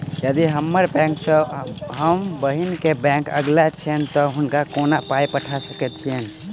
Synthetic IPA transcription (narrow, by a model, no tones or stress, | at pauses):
jəd̪iɦəmːəɾbɛ̃ŋksəɦəmbəɦinkebɛ̃ŋkə̰ɡlat͡ʃʰiɛnt̪ɔɦunkakonapajpəʈʰasəkɛt̪̚t͡ʃʰiɛn